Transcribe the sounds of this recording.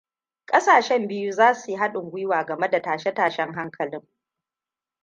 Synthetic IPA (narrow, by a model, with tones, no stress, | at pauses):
kʼɐ˦saː˨ʃɛ˦mbɪ˦ju˦zaː˦su˨jɦa˦ɗʊ˨ŋɡʷʊ˦jwaː˨ɡɐ˨me˦da˨taː˨ʃɛ˦taː˨ʃɛ˦ŋɦa˦ŋkʰɐ˨lɪ˦ŋ